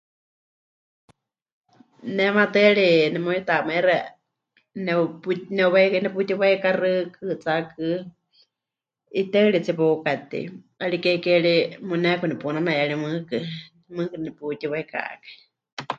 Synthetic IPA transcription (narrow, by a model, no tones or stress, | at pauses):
nɛmat̪ɨaɺinɛmujit̪amaɛɾa | nɛpnɛuwanɛput̪iwaikarɨkʰɨt͡sakɨ | it̪eɨɺit͡sipukat̪ḭ | aɺikɛkɛɺimunɛkunɛpunamajaɺimɨkɨ | mɨːkɨnɨnɛput̪iwaika̰ʔkḁ